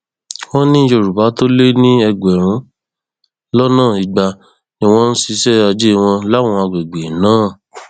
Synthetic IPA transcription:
wɔ̃˦nĩ˦ʃo˧˨ɾu˨ba˨˦to˦le˦nĩ˦ɛ˧ɡ͡bɛ˨ɾ̃ũ˨˦ | lɔ˦nãː˦˨i˨ɡ͡ba˧ | nĩ˧w̃ɔ̃˧˦n̩˦si˧sɛ˦a˧d͡ʒe˦˧w̃ɔ̃˧la˨˦˨wɔ̃˧a˧ɡ͡be˨ɡ͡be˨nãː˨˦˨

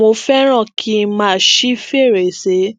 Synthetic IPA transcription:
o˧fɛ˦ɾ̃ã˦˨kʰi˦˧mã˦˨ʃi˦fe˦˨ɾe˨se˨˦

